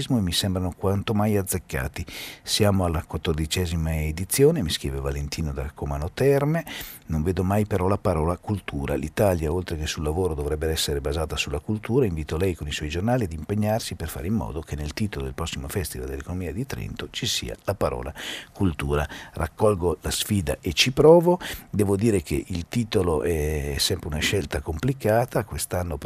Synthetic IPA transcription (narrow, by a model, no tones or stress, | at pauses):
zmoemisɛmbɾanokwant̪omajad̪zːekːa̰ːt̪isjaːmoalːakwat̪ːord̪it͡ʃɛːzimaed̪it̪sːjoːnemiskɾḭːvevalent̪ʰiːnod̪akomanot̪ɛrmenoɱveːd̪omajpeɾɔlapaɾɔːlakult̪uːɾa̰lit̪aːljaolt̪ɾekesulːavoːɾod̪ovɾɛbːeɛsːeɾebazaːt̪asulːakult̪uːɾaiɱviːt̪olɛjkoniswɔjd͡ʒornaːliad̪impeɲːarsiperfa̰ɾimːɔ̰ːd̪okenelt̪iːt̪olod̪ḛlpɾɔsːimofɛst̪ivald̪elːekonomiːad̪it̪ɾɛ̰nt̪ot͡ʃisḭːa̰lapaɾɔ̰ːlakult̪uːɾara̰kʰːɔlɡolasfiːd̪a̰ʔet͡ʃipɾɔːvod̪ɛːvod̪iːɾekʰḛʔilt̪iːt̪oloʔɛsːɛmpɾeunaʃɛlt̪akomplikaːt̪akwest̪anːop